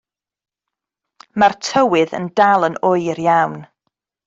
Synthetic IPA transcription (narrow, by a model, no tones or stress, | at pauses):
martʰəwɪðə̰ndalˠənʊɨrjawn